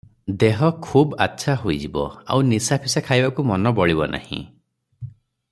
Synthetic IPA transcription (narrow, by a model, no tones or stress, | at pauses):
d̪eɦɔkʰuba̰tːsʰaɦojd͡ʒibɔ̰a̰wnisapʰisakʰajbakumɔnɔbɔɭibɔnʔa̰hḭ̃